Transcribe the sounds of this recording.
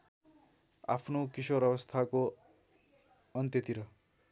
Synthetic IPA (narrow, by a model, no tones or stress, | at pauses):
a̰pʰnokisoɾjʌbʌst̪ʰako | ʌnt̪jʌt̪iɾʌ